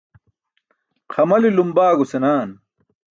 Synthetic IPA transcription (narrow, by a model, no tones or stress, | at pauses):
qʰɐmɐlilumbaːɡusenaːn